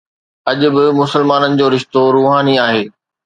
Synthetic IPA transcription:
ɐʄʊ̆bɪmʊsəlmaːnənɪ̆d͡ʑoːɾɪʃt̪oɾuːɦaːniaːɦeː

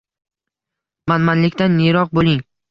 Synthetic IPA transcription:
manmanlɪkʲt̪anːeɾɒq̚bolˠɪŋ

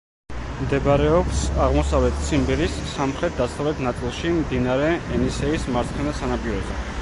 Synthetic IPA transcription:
md̪ɛbɾɛɔbsaʁmɔsavlɛt̪̚ʰt̪sʰimbiɾisːamχɾɛt̪̚ʰd̪asavlɛt̪ʰnat̪sʼilˠʃimd̪inaɾɛɛnisɛismaɾt̪sʰχʰɛnasanapʼiɾɔzɛ̰

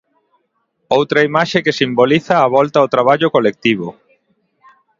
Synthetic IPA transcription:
owt̪ɾaimaʃekesimboliθaːβɔlt̪awt̪ɾaβ̞aʎʊkolek̚t̪iβ̞o

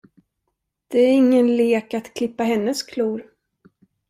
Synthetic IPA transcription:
d̪̥ɛæɾɪŋːənleːkat̪kʰlɪpːaɦɛnːəskʰluːɾ

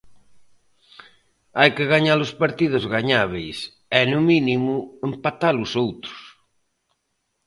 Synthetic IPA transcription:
ajkɪɣaɲalʊspaɾt̪ið̞ʊzɣaɲaβ̞ejs | ɛnʊminimʊempat̪alʊsowt̪ɾʊ̥s

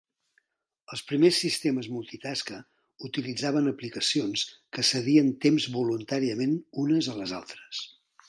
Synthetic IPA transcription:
əlˠspɾimesːist̪eməzmulˠt̪it̪askə | ut̪ilid͡zaβənəplikəsionskəsəɣiənt̪emzβulunt̪aɾiəmenunəzələza̰lˠt̪ɾə̥s

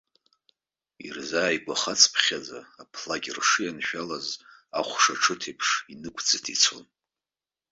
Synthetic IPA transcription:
ḭrzaːjɡʷaχat͡sʰʼpʰχʲad͡za̰ːpʰlaɡʲrʂɨjanʃᶣalazaχʷʂaʈ͡ʂʰɨtʰepʰʂinɨkʷʰd͡zɨtʰit͡sʰo̰n

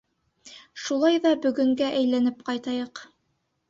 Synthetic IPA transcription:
ʃulˠɑjðɑbɵ̆ɡɵ̆ŋɡæʔæjlænɘpqɑjt̪ɑjɤq

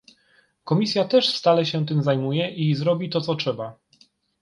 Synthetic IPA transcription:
kɔmʲisʲjat̪ɛʂfst̪alɛɕɛt̪ɘmzajmujɛʔizɾɔbʲit̪ɔt̪sɔtʂɛba

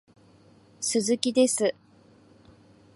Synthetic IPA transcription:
sɨzɨkʲid̪e̞sɨ

